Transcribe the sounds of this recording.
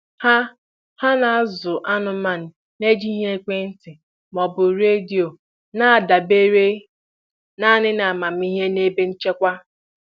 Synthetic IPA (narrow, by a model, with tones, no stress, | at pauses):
ha˦ | ha˦na˨˦zʊ˨ʔa˦nʊ˦ma˦˨n̩˨ | ne˦d͡ʒi˦ɦe˦kʷe˦n̩˦tɪ˨ | mɔ˨bʊ˨ɾe˦di˨o˨ | na˦a˨da˨be˦ɾe˦ | na˦nɪ˦na˨a˨ma˨m̩˦i˦ɦe˦ne˦be˦n̩˦t͡ʃe˦kʷa˦